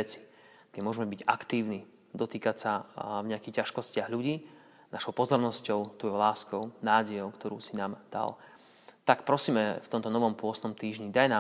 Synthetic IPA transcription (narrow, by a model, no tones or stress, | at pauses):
ɛt͡si̥ | ɡɲɛmʊɔʒɛmɛbiɟakt̪iːʊni | d̪ɔt̪iːkacsavɲɛakixcaʃkɔscɪaɣʎuɟiː | naʃɔʊpɔzɔɾnɔscɔʊt̪ɔjɔlaːskɔʊnaːɟɛjɔʊkt̪ɔɾuːsinaːmd̪̥a̰l | t̪akpɾɔsiːmɛft̪ɔmt̪ɔnɔʋɔmpʊɔsnɔmt̪iːʒɲid̪ajnaː